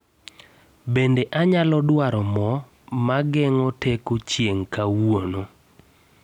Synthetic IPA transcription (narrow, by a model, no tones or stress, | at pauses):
bendeʔaɲalɔdwaɾɔmɔ | maɡɛŋɔtekot͡ʃjeŋkawono